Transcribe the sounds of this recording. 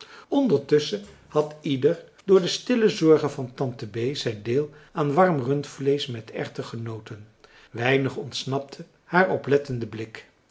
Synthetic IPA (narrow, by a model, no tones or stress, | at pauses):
ɔndəɹtɵsə | hɑtidəɹ | dʊːɹdəstɪləzɔɹχənvɑntɑntəbejzɛjndɪːlˠaːnʋɑrmrɵntflejsmɛtɛ̰χtəχənowtən | ʋɛjnəχɔntsnɑp̚tʰə | haːɹɔplɛtəndəblɪk